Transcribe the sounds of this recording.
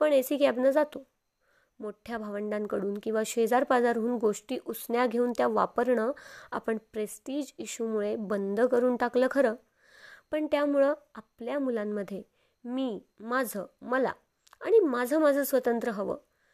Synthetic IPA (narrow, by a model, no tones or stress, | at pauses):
pəɳesiːkɛbnəd͡zat̪o | moʈʰjabʱaʋəɳɖãŋkəɽuːnkĩw̃ʋaɕeəd͡zaɾpad͡zaɾɦuːnɡoʂʈiːʔusɳjaɡʱeuːnt̪jaʋapəɾɳəa̰pəɳpɾesʈiːd͡ʑiɕumuɭebənd̪ʱəkəɾuːnʈakləːkʰəɾəː | pəɳt̪jamuɭəapljamulamːəd̪ʱːje | miː | mad͡zʱəməla̰ | aɽ̃imad͡zʱəmad͡zʱəːsʋət̪ənt̪ɾəɦəʋə̰ː